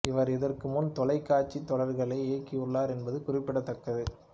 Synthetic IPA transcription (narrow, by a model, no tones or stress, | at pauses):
ɪʋɐɾɪðɐrkɯmʊnt̪ɔlɐɪkːaːt͡ʃːit̪ːɔɭɐɾɣɐɭɐɪeːkːɪʊɭːaːɾɛnbɐðɯkʊrɪpːɪɽɐt̪ːɐkːɐðɯ